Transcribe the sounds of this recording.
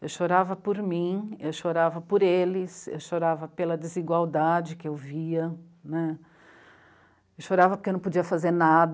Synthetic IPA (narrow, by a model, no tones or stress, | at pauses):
ewʃoɾavɐpoɾmĩewʃoɾavɐpoɾelɪsḛwʃoɾavɐpelɐd͡ʒɪziɡwawd̪ad͡ʒɪkɪewviɐ | nɛ | ewʃoɾavɐpoɾkenɐ̃p̬od͡ʒiɐfazeɾnad̪